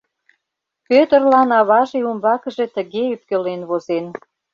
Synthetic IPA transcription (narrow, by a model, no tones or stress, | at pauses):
pøt̪ərlɑnɑβɑʒeumbɑkə̆ʒe̽t̪ə̆ɣeyp̪̚kølenβozen